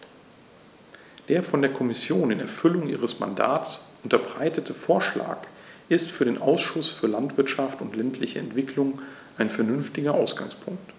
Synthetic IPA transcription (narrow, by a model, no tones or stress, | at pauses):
d̥eːɐfɔndeːɐkʰɔmɪsjoːnɪnɛ̰ɐfʏlʊŋʔiːʁ̞əsma̰nda̰ːtt͡sʔʊntɐbʁaɪtətʰəfoːɐʃla̰ːk | ʔɪstfyːɐdeːnʔaʊsʃʊsfyːɐlantv̥ɪɐtʃaftʊntlɛntʰlɪçəɛ̰ntv̥ɪklʊŋ | ʔaɪnfɛɐnʏnftɪɡɐʔaʊsɡ̥a̰ŋspʰʊŋkt